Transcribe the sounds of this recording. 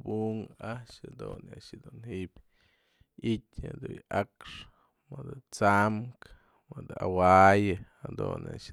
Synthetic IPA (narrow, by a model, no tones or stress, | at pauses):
buŋaʔʂad̪unaʔʂd̪unhiʔbʲ | itʲad̪ujakʂ | mɨd̪ɨt͡samk | mɨd̪awajɨ | ad̪ṵna̰ʔʂ